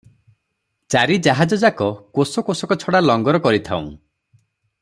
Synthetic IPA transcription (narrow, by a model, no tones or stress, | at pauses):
t͡ʃaɾid͡ʒaɦad͡ʒɔd͡ʒakɔkosɔkosɔkɔt͡ʃʰɔɽalɔŋɡɔɾɔkɔɾit̪ʰa̰ṵ̃